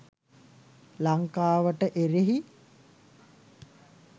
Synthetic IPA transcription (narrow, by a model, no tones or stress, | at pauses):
laŋkaːʋəʈəʔeɾeɦi